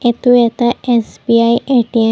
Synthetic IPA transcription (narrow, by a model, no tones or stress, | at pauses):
et̪uet̪ɐesbiajeʈie